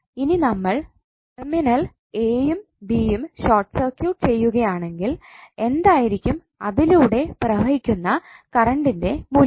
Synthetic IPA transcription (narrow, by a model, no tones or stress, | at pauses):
ininɐmːɐɭ | ʈ | erminɐl | eːjum | bijumɕoːrʈsɐrkjuːʈt͡ɕe̞jːuɣɐjaːɳe̞ŋɡile̞nd̪aːjiɾikʲːum | ɐðiluːɽe̞prɐbʱɐɦikʲːunːɐkɐrɐɳɖinde̞muː